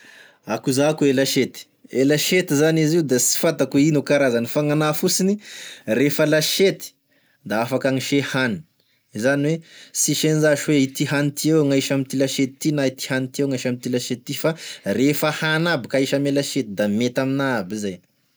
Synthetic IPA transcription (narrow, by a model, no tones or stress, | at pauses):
akuzakuelaʃet̪i̥ | elaʃet̪izaniziwd̪asi̥fat̪akuinukaɾazanifaŋanafusinirefəlaʃet̪i̥ | d̪aafakaŋiʃehani̥ | izaniwesiʃenizaʃweit̪iɦanit̪iewŋajʃamit̪ilaʃet̪i̥t̪ːinait̪i̥hanit̪ieŋajʃamit̪ilaʃet̪i̥t̪ːifarefəhanabikaiʃamelaʃet̪id̪amet̪aminabizaj